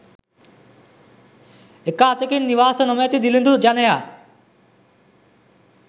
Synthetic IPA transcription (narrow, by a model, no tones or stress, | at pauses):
ekaːt̪ekinːiʋaːsənɔmejt̪id̪ilĩnd̪ud͡ʒanejaː